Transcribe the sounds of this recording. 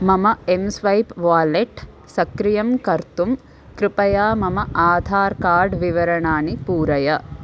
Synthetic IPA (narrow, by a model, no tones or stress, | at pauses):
mɐmɐemsʋɐjpʋaːleʈ | sɐkɾijɐmkɐɾt̪um | kɾɪpɐjaːmɐmɐʔaːd̪ʱaːɾkaːɾɖʋiʋɐɾɐɳaːnipuːɾɐjɐ